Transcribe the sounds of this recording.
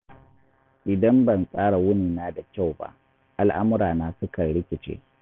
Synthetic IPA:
ʔɪ˨dɐ˦mbɐ˨nsʼaː˦ɽa˨wʊ˦niː˨naː˦da˨kʲa˦˨wba̰˦ʔ | ʔa˨lʔa˦mʊ˦ɽaː˨naː˦sʊ˦kɐ˨ɽɪ˦kʲɪ˨t͡ʃḛː˦

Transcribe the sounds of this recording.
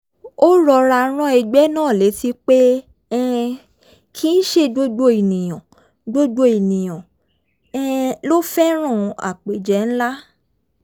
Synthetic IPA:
o˦ɾɔ˧ɾa˧˦ɾ̃ã˦ɛ˧ɡ͡bɛ˦nãː˦˨le˨˦ti˦k͡pe˦ | ɛ˦˧ | kʰi˦n̩˦ʃe˦ɡ͡bo˦ɡ͡bo˦i˨nĩ˨j̃ã˨ | ɡ͡bo˦ɡ͡bo˦i˨nĩ˨j̃ɔ̃˨ | ɛ˦˧lo˦fɛ˦ɾ̃ã˦˨˧a̰˨k͡pe˨d͡ʒɛ˨˦n̩˦la˦

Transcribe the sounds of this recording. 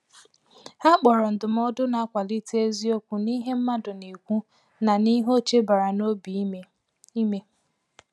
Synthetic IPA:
ha˦k͡pɔ˨ɾɔ˨n̩˨dʊ˨m̩˦ɔ˦dʊ˦na˨a˦kʷa˨li˦te˦e˦zi˦o˦kʷu˨ni˦ɦe˦m̩˦ma˦dʊ˨ni˨kʷu˦ | na˨ni˦ɦo˦t͡ʃe˦ba˨ɾa˨no˦bi˨ | i˦me˦

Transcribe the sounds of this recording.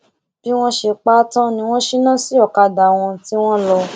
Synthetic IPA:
b̥i˦w̃ɔ̃˦ʃe˧k͡pa˦tã˦nĩ˧w̃ɔ̃˦ʃi˦nã˦si˦ɔ˦˨ka˧da˨w̃ɔ̃˧ti˦w̃ɔ̃˦lɔ˧

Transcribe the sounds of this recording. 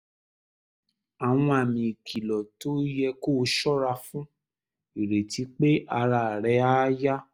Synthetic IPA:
a˨w̃ɔ̃˧a˨mĩ˧i˨kʰi˨lɔ˨to˦jɛ˧ko˦˨˦ʃɔ˦ɾa˧fũ˦ | i˨ɾe˨ti˨˦k͡pe˦ʔa˧ɾa˧˨ɾɛ˧˦a˦ja˦

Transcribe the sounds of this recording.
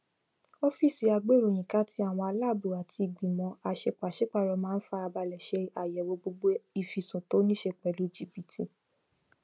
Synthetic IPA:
ɔ˦fi˦˨si˧a˧ɡ͡be˦ɾo˨j̃ĩ˨ka˦ti˦a˦˨w̃ɔ̃˧a˧la˦˨bu˨a˨tʰi˧i˨ɡ͡bĩ˨mɔ̃˨˧˦a˧˨ʃe˧˦k͡pa˨ʃe˦k͡pa˦˨ɾɔ˧mãː˦n̩˦fa˧ɾa˧ba˧lɛ˨ʃe˧a˨jɛ˨˦wo˧ɡ͡bo˧ɡ͡bo˦i˨fi˨sũ˨to˨˦nĩ˦ʃe˧˦˨k͡pɛ˨lu˨˦d͡ʒi˦bi˧˨tʰi˧

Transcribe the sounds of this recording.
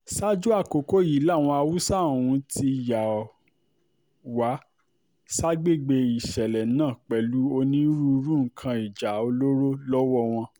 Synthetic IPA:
sa˦d͡ʒu˦a˦˨ko˨ko˦ji˨˦la˦˨w̃ɔ̃˧a˧wu˦sã˦˨ũ˧˦ti˧˨ja˨ | wa˨˦ | sa˦ɡ͡be˦˨ɡ͡be˧i˨ʃɛ˨lɛ˨nãː˦˨k͡pɛ˨˧lu˦o˧nĩ˦ɾu˧˦ɾũ˦ŋ̩˨kʰã˧i˨d͡ʒa˨o˧lo˦ɾo˦lɔ˦wɔ˦w̃ɔ̃˧

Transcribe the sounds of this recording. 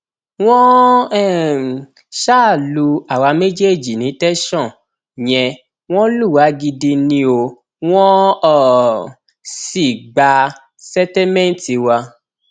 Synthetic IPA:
w̃ɔ̃˦ɛ˦˨ | ʃa˦˨lu˧a˨wa˧me˦d͡ʒe˦˨d͡ʒi˨nĩ˨˦tɛ˦ʃɔ̃˦˨ | j̃ɛ̃˧ | w̃ɔ̃˦lu˦˨wa˨˦ɡi˧di˧nĩ˧o˧ | w̃ɔ̃˦ɔ˦˨ | si˨ɡ͡ba˧ | sɛ˦tɛ˦mɛ̃˦n˨ti˧wa˧

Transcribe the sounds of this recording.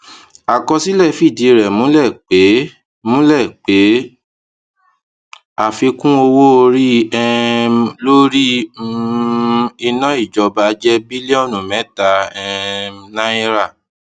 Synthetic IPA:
a˨kɔ˧si˦lɛ˦˨fi˦˨di˨˧˨ɾɛ˨mũ˨˦lɛ˦˨k͡pe˨˦ | mũ˦lɛ˦˨k͡pe˨˦ | a˦˨fi˧kũ˦o˧wo˦o˧ɾi˦ɛ˦˧lo˦ɾi˦ | i˧nɔ̃˦i˦˨d͡ʒɔ˧ba˧d͡ʒɛ˦bi˦li˦ɔ˦˨nũ˨mɛ̃˨˦ta˧ɛ˧nã˦i˦ɾa˦˨

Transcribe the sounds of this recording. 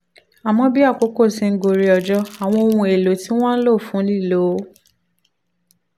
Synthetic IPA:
a˨mɔ̃˧bi˦a˦˨ko˨˦ko˦˨sĩ˨˧ŋ̩˧ɡo˨ɾi˧ɔ˨d͡ʒɔ˧˦a˨w̃ɔ̃˧o˧wũ˧e˨lo˨˦ti˦w̃ɔ̃˦n̩˦lo˦˨fũ˨˦li˦˨lo˨˦

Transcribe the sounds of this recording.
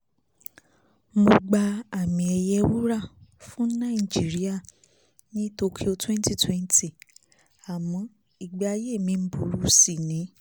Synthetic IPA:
mo˧ɡ͡ba˧a˨mĩ˧ɛ˧jɛ˧wu˦ɾa˦˨fũ˦nã˦i˦˨d͡ʒi˨˦ɾi˦a˦˨ | nĩ˦to˧kʰi˦o˧twɛ̃˦n˦ti˦˨twɛ˦n˦ti˦˨ | a˨mɔ̃˨˦ | i˨ɡ͡ba˧je˦˨mĩ˧m̩˦bu˨˦ɾu˦si˨nĩ˨˦

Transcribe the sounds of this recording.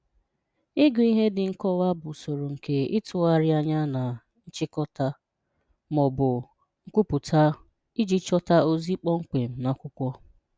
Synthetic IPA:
ɪ˦ɡʊ˨i˦ɦe˦dɪ˨ŋ̩˦˨kɔ˦wa˦bʊ˨so˨ɾo˨ŋ̩˨ke˦ɪ˦tʰʊ˨a˦ɾɪ˦a˦ɲa˦na˨ | n̩˦t͡ʃɪ˦kɔ˦ta˦ | mɔ˨bʊ˨ | ŋ̩˦kʷu˦pʊ˨tʰa˦ | i˦d͡ʒi˦t͡ʃɔ˦ta˦o˦zi˦k͡pɔ˦ŋ̩˦k͡pe˨m̩˨na˨kʷʊ˦kʷɔ˦

